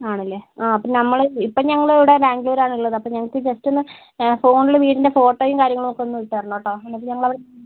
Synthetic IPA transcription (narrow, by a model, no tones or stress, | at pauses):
aːɳɐlːeaːɐpːoːnɐmːɐɭipːoːɲɐŋːɐɭːɽebaːŋɡloːɾaːɳiilːɐðɨɐpːoɲɐŋːɐɭkːɨd͡ʑestːonːɨ | fo̞ːɳilːeʋiːʈinde̞fo̞ːʈːoːjumkaːɾjɐŋːɐɭumokːeonːuʋiʈːɐɐrɐnːoːʈːoːenːɐp̬ːoɲɐŋːɐɭɐʋiɽe